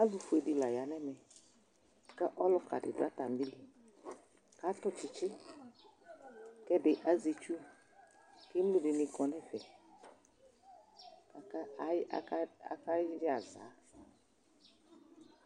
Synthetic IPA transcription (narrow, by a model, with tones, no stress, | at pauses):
a˦zʊ˧fu˨e˨dɪ˨la˨ja˨˦nɛ˦mɛ˨ | kɛ˦ʔɔ˦lʊ˧ka̰˨dɪ̰˨dʊ˨a˦ta˨m̩˦i˦li˨ | ka˨˦tʊ˦t͡ʃɪ˧t͡ʃɪ˦ | kɛ˦bɪ˨ʔa˦zi˧t͡ʃu˦ | ke˦m˦lu˦dɪ˨˧nɪ˧kɔ˧nɛ˦fɛ˨ | a˨ka˦˨˦a˦ka˦a˨za̰ː˨˦